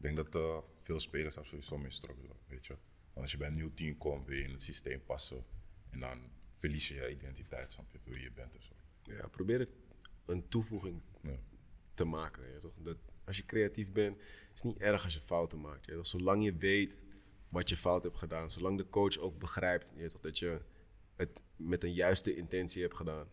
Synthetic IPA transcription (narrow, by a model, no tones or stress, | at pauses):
ɪɡ̚dɛŋkdɔtəfeːlˠspeːləsafsoitsoːmɪstrɔkəlo̰ʋeːtʋə | ʋɑntɔsjəbɛjətnytinkɔmʋɪljɪnətsisteːmpɑsəʔɛndɔ̰nfərlisjəjəidɛntitɛ̰jtsɔnɔpiflˠʋijəbɛntɔso | ja̰probɪːɾət | əntufuχɪŋ | təmaːkən̰jtɔχdɑtɑsjəkreatifbɛnt | ɪ̥snitɛrχɑs̬jəfawtənmaːk̚tjɛtɔxsolɑŋjəʋejt | ʋɑtjəfawthɛptχədaːnsolɑŋdəkowt͡ʃowk̚bəχrɛjp̚tjɛtɔχdɑtjə | ət | mɛtənjœɥstəʔɪntɛnsiɦɛptχədaːn